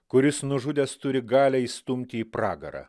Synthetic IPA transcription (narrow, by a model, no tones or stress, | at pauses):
kʊɾʲɪsnʊʒʊd̪ʲɛst̪ʊɾʲɪɡɑːlʲɛiːst̪ʊmʲt̪ʲɪːpɾɑːɡɐɾɑ̰